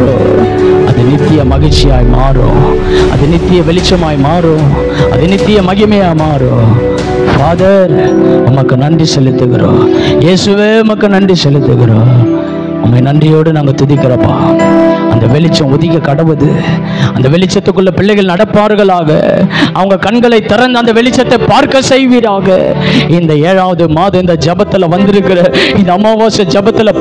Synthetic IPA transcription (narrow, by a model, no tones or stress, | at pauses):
o̰ | ɐ̰ðɯnɪt̪ːɪjɐmɐɣɪt͡ʃːɪjaːjmaːɾõ̰ː | ɐ̰ðɯnɪt̪ːɪjɐʋɛɭɪt͡ʃːɐmaːjmaːɾõː | ɐ̰ðɯnɪt̪ːɪjɐmɐɣɪmɐjaːmaːɾõː | faːðɐɾɐmɐkːɯnɐɳɖrisɛlːɪt̪ːɯɣɪɾõ̰ːjeːsɯʋeːʊmɐkːɯnɐɳɖisɛlːɯt̪ːɯɣɪɾõː | ɐ̰mːɐnɐndrɪjoːɽɯnaːŋɡɐt̪ʊðɪkːɪɾɐpːa̰ːɐ̰nd̪ɐʋɛɭɪt͡ʃːɐ̃ʊðɪkːɐkɐɽɐʋɐðɯ | ɐnd̪ɐʋɛɭɪt͡ʃːɐt̪ːɯkːɯɭːɐpɪɭːɐɪɣɐɭnɐɽɐpːaːɾɣɐɭaːɣɐ̰ɐʋɐŋɡɐkɐɳɡɐɭɐɪt̪ːɪɾɐnd̪ɐnd̪ɐʋɛɭɪt͡ʃːɐt̪ːɐɪpaːɾkɐsɛjʋiːɾaːɣɐ̰ɪnd̪ɐeːɻaːʋɐðɯmaːðɐ̃ɪnd̪ɐd͡ʒɛbɐt̪ːɪlɐʋɐnd̪ɪɾɯkːɪɾɐɪnd̪ɐːmːaːʋaːsɐd͡ʒɛbɐt̪ːɪlɐ